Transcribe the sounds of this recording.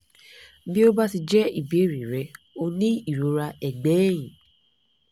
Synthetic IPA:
bi˦o˦ba˦ti˧d͡ʒɛ˦i˨bi˨˦e˦˨ɾi˨ɾɛ˨˦ | o˧nĩ˦i˦˨ɾo˨˦ɾa˧ɛ˨ɡ͡bɛː˨˦j̃ĩ˨

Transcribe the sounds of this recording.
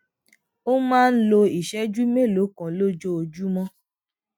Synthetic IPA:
o˦mãː˦˧n̩˦lo˧i˨ʃɛ˦d͡ʒu˦me˦˨lo˨˦kã˨lo˦d͡ʒo˦o˧d͡ʒu˦mɔ̃˦

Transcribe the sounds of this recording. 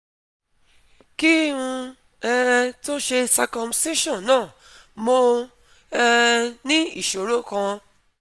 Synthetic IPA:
ki˦˨ũ˧ | ɛ˧ɾɛ˧to˦ʃe˧sa˧kɔ̃˧mste˦ʃɔ̃˦˨nãː˦˨ | mo˧ | nĩ˦i˦˨ʃo˨ɾo˦kã˧

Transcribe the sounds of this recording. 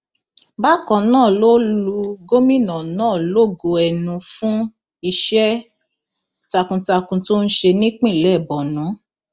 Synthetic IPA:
ba˦kɔ̃˨nãː˦˨lo˦lu˧ɡo˦mĩ˦˨nɔ̃˨nãː˦˨lo˦˨ɡo˧ɛ˨nũ˧fũ˦ | i˧ʃɛ˦ | ta˧kũ˧ta˧kũ˧to˦n̩˦ʃe˧nĩ˦k͡pĩ˦˨lɛ˨˦˨bɔ˨nũ˨˦

